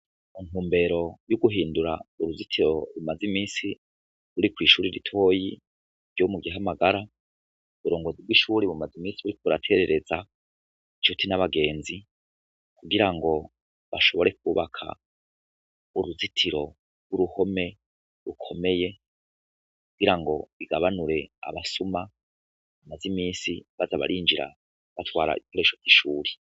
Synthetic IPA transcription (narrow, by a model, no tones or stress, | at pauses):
iŋ̥uːmbe̞ɾo̞juɡuɦiːnduɾauɾuzitʰiɾo̞ɾumazimiːsi | ɾuɾikwiːʃuːɾiɾitʰo̞ːji | ɾjomuɡiamaɡaɾa | βuɾo̞ːŋɡozib̚wiʃuːɾiβumazimiːsiβuɾik̚uuɾa̰tʰe̞ɾe̞ɾe̞za | it͡ʃutʰinaβaɡe̞ːnzi | kuɡiɾaŋɡo̞ | βaʃo̞βoɾe̞k̚uːβakʰa̰ | uɾuzitʰiɾo̞ | ɡuɾuho̞me̞ | ɾukʰo̞me̞je̞ | kuɡiɾaŋɡo̞βiɡaβanuɾe̞a̰βasuma | βumazimiːsiβazaβa̰ɾiːnd͡ʒiɾa̰ | βatwaːɾa̰ḭβiko̞ɾe̞ʃov̥ɡiʃuːɾi